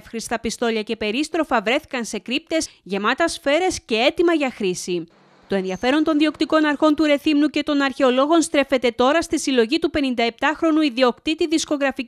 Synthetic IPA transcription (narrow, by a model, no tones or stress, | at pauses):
fxɾist̪ɐpist̪o̞ʎɐce̞pe̞ɾist̪ɾo̞fɐvɾe̞θi̥kɐnse̞kɾip̚t̪e̞sʝe̞mɐt̪ɐsfe̞ɾe̞sce̞e̞t̪imɐʝɐxɾisi | t̪o̞enðiɐfe̞ɾo̞nt̪o̞nðio̞kt̪iko̞nɐɾxo̞nt̪uɾe̞θimnuce̞t̪o̞nɐɾçe̞o̞lo̞ɣo̞nst̪ɾe̞fe̞t̪e̞t̪o̞ɾɐst̪isilo̞ʝit̪upe̞nind̪ɐe̞p̚t̪ɐxɾo̞nuiðio̞kt̪it̪iðisko̞ɣɾɐfi